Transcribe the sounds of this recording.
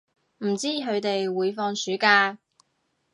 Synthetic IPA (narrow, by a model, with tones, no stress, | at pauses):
m̩˨˩t͡siː˥ɦɵ˨˧ɥt̪e˨jwuː˨˧jfɔː˧ŋsyː˨˥kaː˧